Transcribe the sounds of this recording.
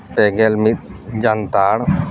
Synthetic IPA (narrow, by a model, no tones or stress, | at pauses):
pɛɡelmit̪̚d͡ʒant̪aɽ